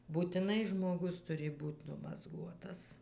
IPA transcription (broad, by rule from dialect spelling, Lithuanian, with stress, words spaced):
buːtʲɪˈnɐɪ ʒmoːˈɡʊs ˈtʊrʲɪ ˈbuːtʲ nʊmɐzˈɡuɔtɐs